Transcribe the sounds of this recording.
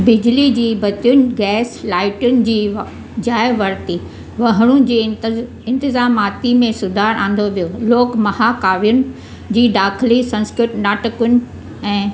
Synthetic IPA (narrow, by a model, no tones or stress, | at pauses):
bɪd͡ʑlid͡ʑiːbɐt̪ijʊnɪ̆ɡɛːslaːɪʈʊnɪ̆d͡ʑiː | d͡ʑaːɪʋɐɾt̪i | ʋɐɦɽ̃ũd͡ʑiː | ɪ̃nt̪ɪzaːmaːt̪imẽsʊd̪ʱaːɾʔãːn̆d̪oʋijoloːkmɐɦakaːʋijʊnɪ̆ | d͡ʑiːɖaːkʰlisɐ̃nskɾɪʈnaːʈɪkʊnɪ̆ | ɛ̃ː